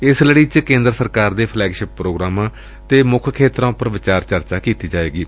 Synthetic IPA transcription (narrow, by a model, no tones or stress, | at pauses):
ɪsləɽiːt͡ʃkẽːnd̪ɾəsəɾkaːɾd̪eːpʰlɛːɡʃɪpːɾoːɡɾaːmãː | t̪eːmʊkʰkʰeːt̪ɾãːpəɾʋɪt͡ʃaːɾt͡ʃəɾt͡ʃaːkiːt̪iːd͡ʒaːḛːɡiː